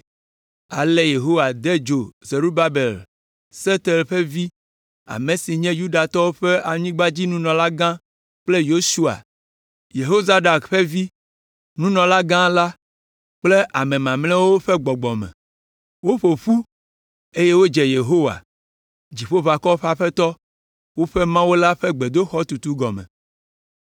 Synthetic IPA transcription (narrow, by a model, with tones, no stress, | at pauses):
a˨le˦je˨ɦo˦wa˨d̪e˦d͡ʒo˨ze˨ɾu˦ba˦be˨l | se˦t̪e˨lɸe˦vi˦ | a̰˨mẽ˨si˨ɲɛ̃˦ju˦ɖa˨t̪ɔ˦wo˦ɸe˦ʔa˨ɲĩ˦ɡ͡ba˦d͡ʑi˦nũ˦nɔ̃˨la˦ɡã˦ | k͡ple˦jo˦su˦a̰˨ | je˨ɦo˦za˦ɖa˨kɸe˦vi˦ | nũ˦nɔ̃˨la˦ɡã˦la˦ | k͡ple˦ʔa˨mẽ˨mã˨mlɛ̃˦wo˦ɸɛ˦ɡ͡bɔ˨ɡ͡bɔ˨mɛ̰̃˨ | wo˦ɸo˨ɸu˦ | e˦je˦wo˦d͡ʒe˨je˨ɦo˦wa̰˨ | d͡ʑi˨ɸo˦va˨kɔ˦o˦ɸa˨ɸɛ˦t̪ɔ˦ | wo˦ɸe˦mã˦wo˦la˦ɸe˦ɡ͡be˨d̪o˦xɔ˦t̪u˨t̪u˦ɡɔ˨mɛ̰̃˨